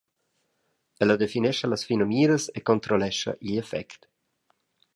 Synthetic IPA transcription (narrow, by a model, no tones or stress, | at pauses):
ɛlad̪efinɛʃɐlasfinomiːɾəsekont̪ɾolɛʃɐ̰ʔiʎefɛ̰kt̪